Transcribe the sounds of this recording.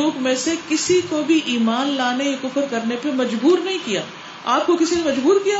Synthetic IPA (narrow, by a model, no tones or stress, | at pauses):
oːkmẽsekɪsikobʱiʔiːmaːnlaːneekʊfəɾkɐɾnepemɐd͡ʒbuːɾnɐɦĩkijaː | aːp̚kokɪsinemɐd͡ʒbuːɾkija